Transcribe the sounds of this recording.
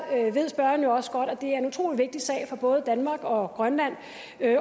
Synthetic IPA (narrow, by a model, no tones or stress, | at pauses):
øʋe̝ð̰ˠsb̥ɶɐn̩jo̝ɒ̽sə̥ɡ̥ɒ̽d̥ɒ̽d̥e̝æɐe̝nut͡sʰʁo̝̰ːliʋe̝ɡ̥̚d̥isɛ̰ːɪfɒ̈b̥ɔ̽ːð̞̩ˠəd̥ænmɑ̈ːɡ̥ɒ̽ɡ̥ʁɶnlæn̰